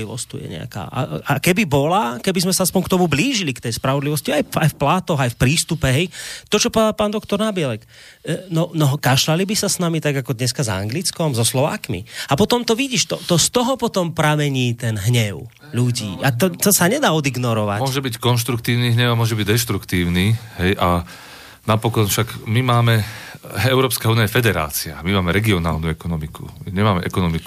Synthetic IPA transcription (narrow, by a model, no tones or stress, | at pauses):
iʋɔ̰st̪ṵjɛ̰ɲɛ̰a̰ka̰ːa̰akɛbibɔlakɛbizmɛsaaspɔɲkt̪ɔmubliːʒilikt̪ɛjspɾaʋɔd̪liʋɔsciajajfplaːt̪ɔɣajfpɾiːst̪upɛɦɛjt̪ɔt͡ʃɔpɔɛd̪apaːnd̪ɔk̚t̪ɔɾnabiɛlɛk | nɔnɔɦkaʃlalibisasnamit̪aɡakɔd̪ɲɛskaza̰ŋɡlit͡skɔmzɔslɔʋa̰ːkmḭapɔt̪ɔmt̪ɔʋiɟiːʃt̪ɔt̪ɔst̪ɔɦɔpɔt̪ɔmpɾamɛɲiːt̪ɛnɦɲɛʊ | ʎuɟḭːat̪ɔt̪ɔsaɲɛd̪aːɔd̪iɡnɔɾɔʋa̰mʊɔʒɛbickɔnʃt̪ɾukt̪iːʊniːɦɲɛamʊɔʒɛbiɟd̪ɛʃt̪ɾukt̪iːʊniːɦɛjʔa | napɔkɔnfʃaɡmimaːmɛ | ɛʊɾɔːpskauːnijajɛfɛd̪ɛɾa̰ːt͡sia̰mimaːmɛɾɛɡiɔna̰ːlnuɛkɔnɔmikṵmiɲɛmaːmɛʔɛkɔnɔmiku